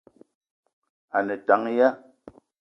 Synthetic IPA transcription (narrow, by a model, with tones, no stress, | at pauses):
a˨nɛ˨ta˨˦ŋ˦ja˦